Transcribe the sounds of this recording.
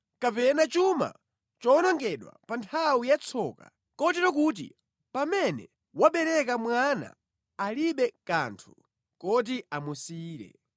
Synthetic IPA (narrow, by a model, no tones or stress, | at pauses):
kapɛnat͡ʃuma̰ | t͡ʃɔnɔŋɡɛɗwa̰pantʰawijat͡sʰɔka̰ | kɔtɛɾɔkuːt̬ḭ | pamɛnɛ̰ | waɓɛɾɛkamwana̰ː | liɓɛka̰ntʰu̥ | kɔt̬iamusiːɾɛ̰